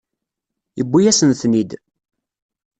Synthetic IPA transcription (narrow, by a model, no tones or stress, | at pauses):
əbːijæsənθnid̪